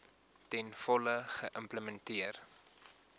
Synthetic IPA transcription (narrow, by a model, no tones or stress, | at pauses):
tɛnfɔləχəʔəmpləmɛntiər